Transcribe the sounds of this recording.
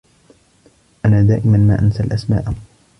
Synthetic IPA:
ʔanaːd̪aːʔɪmanma̰ːʔansalʔasma̰ːʔ

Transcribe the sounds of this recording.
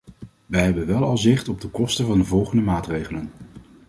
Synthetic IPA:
ʋɛjɦɛbənʋɛlˠɑlˠzɪχtɔb̚dəkɔstəvɑndəvɔlˠχəndəmaːtrejχələn

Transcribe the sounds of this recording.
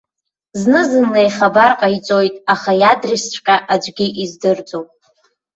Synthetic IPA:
znɨzɨnlejχabarqʼait͡sʼo̞jtʼaχajadrist͡ʃʷʰkʲʼaʔad͡ʒʷɡʲiʔizdɨrd͡zʼowpʼ

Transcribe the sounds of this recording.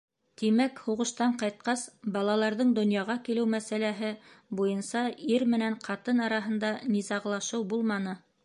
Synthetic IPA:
t̪imækhuʁɤ̆ʃt̪ɑɴqɑjt̪̚qɑsbɑlˠɑlˠɑɾðɤɴd̪ŏnjɑʁɑkilɘwmæsælæɦɘbujɤnsɑiɾmɘ̆næɴqʰɑt̪ɤnɑɾɑɦɤ̆nd̪ɑnizɑʁlˠɑʃɤwbulˠmɑnɤ

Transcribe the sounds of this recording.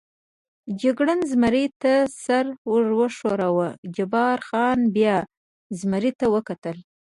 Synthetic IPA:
d͡ʒɪɡɽənzmaɾet̪asaɾwəʐwəʂoɾawəd͡ʒabɑɾxɑnbjɑ | zmaɾit̪awəkat̪əl

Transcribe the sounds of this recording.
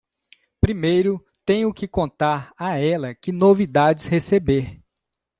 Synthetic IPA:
pɾimejɾʊ | t̪ẽj̃ʊkɪkõnt̪aɾaɛlɐkɪnovid̪ad͡ʒɪshesebeɾ

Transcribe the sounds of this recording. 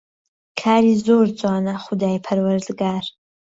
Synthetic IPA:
kʰaːɾizoːrt͡sʷʼaːnɐχʊdaːjpʰɐrwɐrdɡaːr

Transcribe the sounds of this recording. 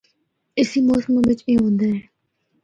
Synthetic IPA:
ɪsiːmoːsmẽbɪt͡ʃiːɦõːnd̪aɛ̃ː

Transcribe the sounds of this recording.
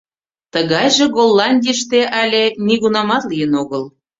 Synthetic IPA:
t̪əɣɑjʒĕɣolˠːɑnʲd̪ʲiʃt̪eʔɑlʲeniɣunɑmɑt̪lijənoɣəl

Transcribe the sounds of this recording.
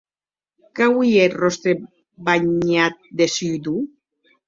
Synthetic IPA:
kawietrost̪ɾe | baɲat̪̚d̪esyjd̪u

